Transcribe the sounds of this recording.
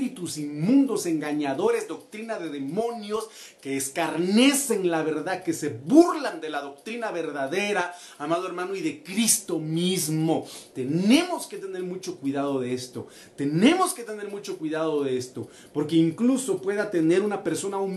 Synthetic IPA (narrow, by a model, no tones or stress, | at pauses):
ɾit̪usimmũnd̪o̞se̞ŋɡaɲaðo̞ɾezd̪o̞k̚t̪ɾinaðe̞ðe̞mõ̞njo̞skeːskaɾne̞se̞ŋlaβe̞ɾðaðke̞se̞βuɾland̪e̞laðo̞k̚t̪ɾinaβeɾðaðe̞ɾaː | maðoe̞ɾmãnoiðe̞kɾist̪o̞mizmo̞t̪e̞ne̞mo̞ske̞t̪ene̞ɾmut͡ʃo̞kwiðaðoðeest̪o̞ | t̪e̞ne̞mo̞ske̞t̪e̞ne̞ɾmut͡ʃo̞kwiðaðoðeest̪o | po̞ɾke̞iŋkluso̞pwe̞ðat̪e̞ne̞ɾunape̞ɾso̞naum